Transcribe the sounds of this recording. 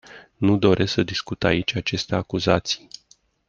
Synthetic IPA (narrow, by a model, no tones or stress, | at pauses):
nud̪o̞ɾʔe̞sksəd̪iskut̪ait͡ʃʲat͡ʃe̞st̪eakuzat̪si̥j